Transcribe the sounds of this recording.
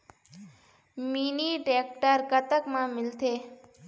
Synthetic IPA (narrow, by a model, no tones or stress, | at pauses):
miniʈeːk̚ʈəɾkət̪əkmãmɪlt̪ʰe